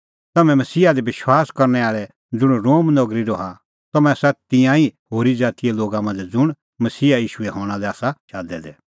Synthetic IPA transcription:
t̪ɐmɛ̃mɐsiːad̪ɛbɪʃwaːskɐɾnɛaːɭɛ | d͡zʊɽ̃ɾoːmnɐɡɾiɾɔɦa | t̪ɐmɛ̃sɐt̪ɪ̃jãihoːɾid͡zaːt̪ijɛloːɡamɐ̃nd͡zd͡zʊɽ̃ | mɐsiːaiːʃuɛɦɔ̃ːɽ̃alɛaːsaʃaːd̪ɛ̰d̪ɛ

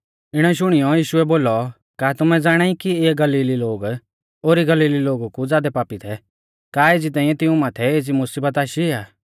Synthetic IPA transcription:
ɪɽ̃ɛʃ̬ʊɽ̃ijɔjiːʃʊɛboːlɔ | kaːt̪ʊmɛd͡zaːɽ̃aːikieːɡɐliːliloːɡ | oːɾiɡɐliːliloːɡukud͡zaːd̪ɛpaːpit̪ʰɛ | kaːeːd͡zit̪aːĩjɛ̃t̪ɪũmaːt̪ʰɛeːd͡zimʊsiːbət̪aːʃiaː

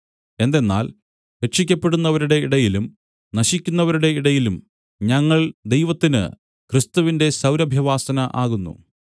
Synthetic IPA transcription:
e̞nd̪e̞nːa̰ːl | heʂikʲːɐpːe̞ɽunːɐʋɐɾuɽe̞iɽɐjilum | nɐɕikʲːunːɐʋɐɾuɽe̞iɽɐjilum | ɲɐŋːɐɭd̪e̞jʋɐt̪ːinɨ̰ | krɨst̪uʋinde̞sɐwɾɐbʱjɐʋaːsɐnɐʔaːɣunːṵ

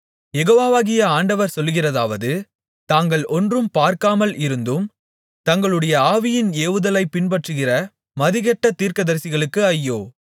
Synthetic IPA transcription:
jɛɣoːʋaːʋaːɣɪjɐaːɳɖɐʋɐɾsɔlːɣɪrɐðaːʋɐðɯ | t̪aːŋɡɐɭɔndrɯmpaːɾkaːmɐlɪɾɯnd̪ɯm | t̪ɐŋɡɐɭɯɽɐjɐaːʋɪjɪneːʋɯðɐlɐɪpːɪnbɐʈrɯɣɪrɐ | mɐðɪɣɛʈːɐt̪ːiːɾkɐðɐɾsɪɣɐɭɯkːɯɐjːoː

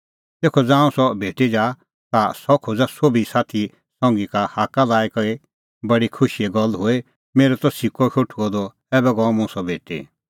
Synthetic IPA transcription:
t̪eːkʰɔd͡zãːũsɔbʱeːʈid͡ʒaː | t̪asɔkʰod͡zasoːbisaːt̪ʰi | sɔ̃ŋɡikahaːkalaːikɐɾi | bɐɽikʰʊʃieɡɔlɦʊe | meːɾɛt̪ɔsikɔʃʰoʈʰuɔd̪ɔ | ɛːbɛɡɔ̃mũsɔbʱeːʈḭ

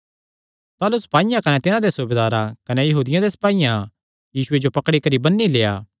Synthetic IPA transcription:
t̪aːlusɐ̥paːijãkɐnɛt̪ɪnãd̪esʊbeːd̪aːɾakɐnɛjɐɦuːd̪ɪjãd̪esɐ̥paːijã | jiːsʊed͡ʒopɐkɽikɐɾibɐnːileːa̰ː

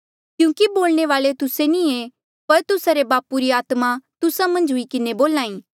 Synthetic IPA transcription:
kjũːkiboːlneʋaːlet̪ʊsenĩe | pɐɾt̪ʊsaɾebaːpuɾiaːt̪mat̪ʊsamɐ̃nd͡ʒɦʊikɪneboːlaːĩː

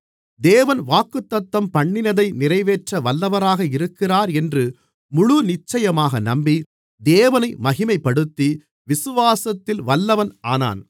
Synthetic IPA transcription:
d̪eːʋɐnʋaːkːɯt̪ːɐt̪ːɐmpɐɳːɪnɐðɐɪnɪrɐɪʋeːʈrɐʋɐlːɐʋɐɾaːɣɐɪɾɯkːɪraːɾɛndrɯ | mʊɻʊnɪt͡ʃːɐjɐmaːɣɐnɐmbi | d̪eːʋɐnɐɪmɐɣɪmɐɪpːɐɽɯt̪ːi | ʋɪsɯʋaːsɐt̪ːɪlʋɐlːɐʋɐnaːna̰ːn

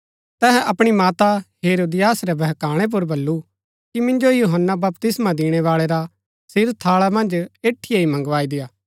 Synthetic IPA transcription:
t̪ɛːɦɛ̃ʔɐpɽ̃imaːt̪aɦeːɾoːd̪ɪjaːsɾɛbʱɛɦkaːɽ̃ep̬ʊɾbɐlːu | kimɪ̃nd͡ʒojuːɦənːabɐpt̪ɪsmãd̪ɪːɽ̃ɛʋaːɭeɾa | sɪɾt̪ʰaːɭamɐ̃nd͡ʒeːʈʰːijaimɐ̃ŋɡʋaːid̪ɪjaː

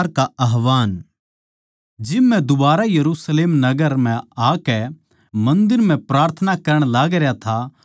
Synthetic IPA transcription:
ɾkaɐɦʋaːn | d͡ʒɪmːɛ̃d̪ʊbaːɾajɐɾuːsleːmnɐɡəɾm̤ɛ̃aːkɛ | mɐ̃nd̪ɪɾm̤ɛ̃pɾaːɾt̪ʰənakɐɾəɽ̃laːɡɾjat̪ʰa

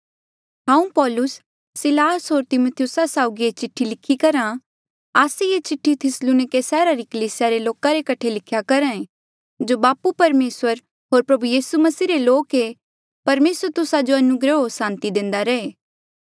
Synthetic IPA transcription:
ɦãːũpɔːlʊsː | ɪlaːsɦoːɾt̪ɪmot̪ʰjʊsasaːʊɡiet͡ʃɪʈʰːilɪkʰːikɐɾã | aːsejet͡ʃɪʈʰːit̪ʰɪsluːnɪkesɛːɾaɾikɐliːsɪjaɾeloːkaɾekɐʈʰelɪkʰjakɐɾãẽ | d͡ʒobaːpupɐɾmeːsəɾ | ɦoːɾpɾɐbujiːsumɐsiːɾeloːke | pɐɾmeːsəɾt̪ʊsad͡ʒoɐnʊɡɾəɦosãːnt̪id̪ẽːnd̪aɾɐeː

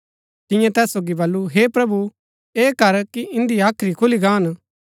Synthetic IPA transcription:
t̪ɪ̃jãt̪ɛːsːoːɡibɐlːuɦeːpɾɐbu | eːkɐɾkiʔɪ̃nd̪iaːkʰɾikʰʊliɡaːn

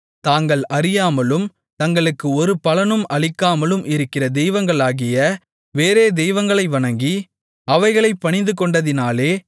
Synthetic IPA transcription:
t̪aːŋɡɐɭʔɐɾɪjaːmɐlɯm | t̪ɐŋɡɐɭɯkːɯɔɾɯpɐlɐnɯmɐɭɪkːaːmɐlɯmʔɪɾɯkːɪrɐd̪ɛjʋɐŋɡɐɭaːɣɪjɐ | ʋeːɾeːd̪ɛjʋɐŋɡɐɭɐɪʋɐɳɐŋɡi | ɐʋɐɪɣɐɭɐɪpːɐɳɪnd̪ɯkɔɳɖɐðɪnaːleː

